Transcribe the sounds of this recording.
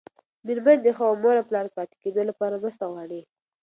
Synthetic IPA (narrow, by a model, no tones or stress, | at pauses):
miɾmand̪əxawmoɾaplɑɾpɑt̪e̥ked̪olapɑɾaməst̪awɑɽi